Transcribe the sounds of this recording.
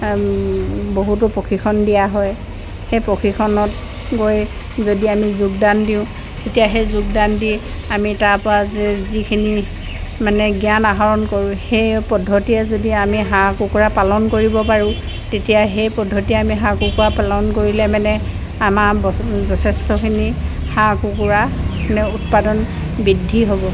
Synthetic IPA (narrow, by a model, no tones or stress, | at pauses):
boɦut̬ʊpokʰixʰɔndijaɦɔj | hejpokʰixʰɔnɔt | ɡoj | zodiamizuɡ̚dandiʊ̃ | tetijaɦejzuɡ̚dandi | amitaɹpɔɹazɛzikʰini | manɛɡijanaɦaɹɔnkoɹʊ̃hejpɔdʱːɔtijɛzodiamiɦãkukuɹapalɔnkoɹibɔpaɹʊ̃ | tetijaɦejpɔdʱːɔtiɛamiɦãkukuɹapalɔnkoɹilɛmanɛ | amabzɔsʰɛstɔkʰini | hãkukuɹamanɛut̚padɔn | bidʱːiɦobɔ